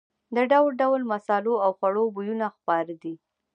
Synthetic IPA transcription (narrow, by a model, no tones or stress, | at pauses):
d̪əɖawlɖawlmasɑloawxwaɽobujunaxpɑɾd̪i